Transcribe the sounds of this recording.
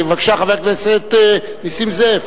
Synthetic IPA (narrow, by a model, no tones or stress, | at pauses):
vakʃaχavekleseet̪ | nisimzev